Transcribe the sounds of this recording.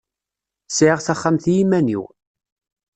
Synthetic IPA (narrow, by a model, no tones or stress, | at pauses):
sʕəʁθæχːamθjimænḭw